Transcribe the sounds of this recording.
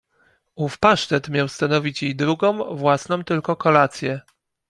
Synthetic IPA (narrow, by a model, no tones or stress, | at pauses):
ufpaʂt̪ɛt̪mʲjawst̪anɔvʲit͡ɕjejd̪ɾuɡɔ̃w̃vwasnɔ̃w̃t̪ɘlkɔkɔlat̪sʲjɛ